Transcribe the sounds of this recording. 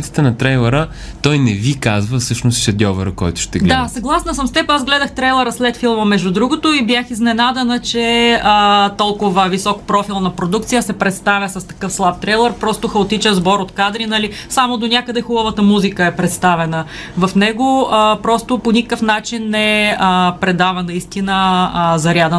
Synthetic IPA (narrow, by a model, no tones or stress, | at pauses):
t̪i̥t̪ɛnɐt̪ɾɛjlˠɛɾə | t̪ɔjnɛvikazvəfsɤʃnosʃɐd̪ʲjɔvəɾəkɔ̰jt̪ʊ̥ʃt̪ɛɡlɛd̪asɐɡlˠasnəsəmst̪ɛpəazɡlɛd̪əxt̪ɾɛjlˠɛɾəslɛt̪filˠməmɛʒd̪ud̪ɾuɡot̪oibjaxiznɛnad̪ɛnət͡ʃɛət̪ɔlˠkʊvəvisɔkpɾɔfilˠnɐpɾod̪ukt̪sijəsɛpɾɛt̪st̪avʲjəsɐst̪ɐ̥kɤfslˠap̚t̪ɾɛjlˠɛɾpɾɔst̪ʊxəot̪it͡ʃəzbɔɾot̪kad̪ɾinɐlisamod̪onʲakəd̪ɛxubəvət̪əmuzikəɛpɾɛt̪st̪avɛnə | vɐfnɛɡoəpɾɔst̪oponʲikəkəfnat͡ʃinːɛəpɾɛd̪avɐnɐist̪inəzɐɾʲad̪ə